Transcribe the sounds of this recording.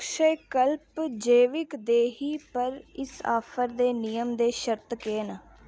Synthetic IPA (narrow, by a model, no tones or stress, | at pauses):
ʃəekəlpd͡ʒeːʋɪkd̪eːɦiːpəɾɪsa̰ːpʰəɾd̪eːnijəmd̪eːʃəɾt̪keːnə